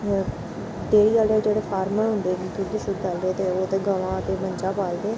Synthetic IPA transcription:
d̪eːɽiːaːlɖaːd͡ʒeːɽeːpʰaːɾməɾɦʊnd̪eːkik̪uɡisʊd̪d̪ald̪eːt̪eːoːt̪eːɡəʋãːət̪eːməɲt͡ʃaːpaːld̪eː

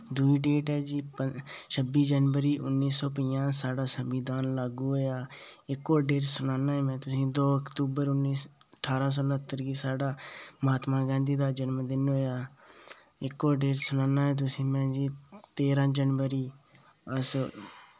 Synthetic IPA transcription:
d̪ʊiːɖeːʈɛːd͡ʒiːpəʃʰəbiːd͡ʒənʋəɾiːʔʊnːiːsɔːp̬əiːjãːsaːɖaːsəmid̪aːnlaːɡuːɦoːjaːɪkːoːɾɖeːɾsʊnaːnãːɦɛ̃ːmɛ̃ːt̪ʊsĩːd̪oːəkt̪uːbəɾʊnːiː | əʈʰːaːɾãːs̬ɔːlət̪ːəɾɡiːsaːɖaːmaːt̪maːɡɛ̃ːnd̪iːd̪aːd͡ʒənmd̪ɪnɦoːjaː | ɪkːoːɖeːɾsʊnaːnaːɦɛ̃ːt̪̬ʊsĩːmɛ̃ːd͡ʒiːt̪eːɾãːd͡ʒənʋəɾiː | əs

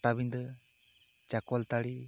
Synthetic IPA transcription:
ʈabind̪ə | t͡ʃakɔlt̪aɽi

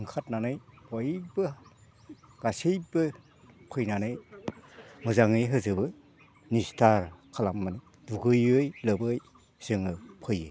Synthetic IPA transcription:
ɯŋkʰat̚nanɯjbɔjbɯ | ɡ̥asijbɯ | pʰɯjnanɯj | mɯzaŋɯjɦɯzɯbɯ | nistʰaɾkʰalamːani | duɡɯjɯjlɯbɯj | sɯŋɯpʰɯjɯ

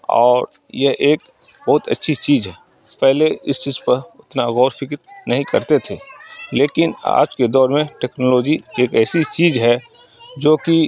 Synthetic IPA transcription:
ɔːɾ | jɛɦʔeːk | bɐɦʊt̪ə̰tːʃʰit͡ʃiːzɦɛː | pɛɦleɪst͡ʃiːzpɐɾʊt̪naɣɔːɾfɪkt̪̚nʔəɦĩkɐɾt̪et̪ʰeːleːkɪna̰ːd͡ʒked̪ɔːɾmẽʈɛːknɔːlɔːd͡ʒieːkɛːsit͡ʃiːzɦɛ | d͡ʒoːki

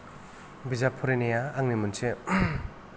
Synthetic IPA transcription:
bizapʰuɾenejaːŋnimunse

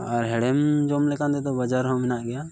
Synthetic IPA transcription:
aɾɦɛɽɛmd͡ʒɔmlɛkand̪ɛt̪ɔbad͡ʒaɾɦɔ̃mɛnaʔɡɛja

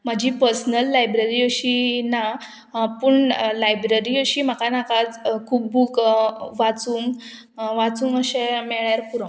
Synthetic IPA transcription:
məd͡ʑʱipəɾsnəlːajbɾeɾiəɕina | pəɳlajbɾeɾiəɕiːm̤akanakad͡zkʰuːp̚bukʋat͡suːŋɡ | ʋat͡suːŋɡəɕɛ̃mɛɭjaɾpuɾõ

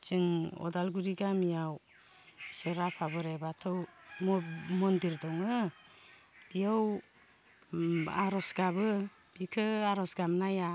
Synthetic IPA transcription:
t͡ʃiŋɔ̰dalɡuɾiɡamijaw | seɾapʰabɯɾebatʰɯwmɔmɔndiɾdɔŋɯ | b̥ijaw | a̰ɾɔsɡabɯ | bikʰɯaɾɔsɡamnaja

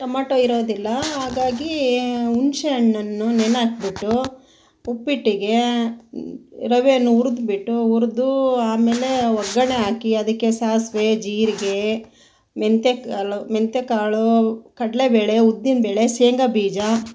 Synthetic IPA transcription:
ʈɐmaːʈoːiɾoːd̪ilːɐɦaːɡaːɡiunʃeɐɳːɐnːunenaːkbiʈːu | upːiʈːiɡe̞ | ɾɐʋenːuuɾd̪biʈːuuɾd̪uaːmeːle̞ʋɐɡːɐɳeaːkiɐd̪ɐkːesaːɦɐsʋed͡ʒiːɾiɡe̞ | ment̪ekaːɭument̪ekaːɭukɐɽlebeːɭe̞ud̪ːinbeːɭe̞seːŋɡɐbiːd͡ʒɐ

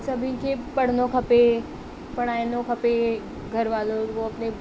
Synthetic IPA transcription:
sɐbʱĩkʰepɐɽ̤noxɐpe | pɐɽ̃aːɪnoxɐpe | ɡʱɐɾʋaːloʋoɐpne

